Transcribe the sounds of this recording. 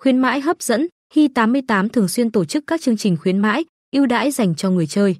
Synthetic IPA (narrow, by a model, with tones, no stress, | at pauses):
xwi˨˦ənma̰ː˧˥jɦəː˦˥p̚z̥ə̰˧˥n | hi˧t̪aː˨˦mːɨ˧əjt̪aː˨˦mt̪ʰɨ˨˩əŋswi˧ənt̪o˧˩t͡ɕɨ˦˥kːaː˦˥k̚t͡ɕɨ˧əŋt͡ɕï˨˩ŋ̟xwi˨˦ənma̰ː˧˥j | ʔi˧əwɗa̰ː˧˥jza˨˩jŋ̟t͡ɕɔ˧ŋɨ˨˩əjt͡ɕəː˧j